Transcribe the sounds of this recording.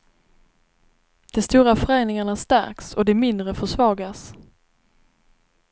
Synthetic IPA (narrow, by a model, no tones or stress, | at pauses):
d̪̥ɛst̪uːɾafœɾeːnɪŋaɳast̪æ̰ɾksɔd̪ɛmɪnd̪ɾəfœʂvɑːɡas